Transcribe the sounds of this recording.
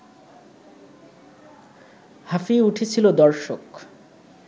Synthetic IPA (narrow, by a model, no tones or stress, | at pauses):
hafiuʈʰet͡ɕʰilod̪ɔɾʃok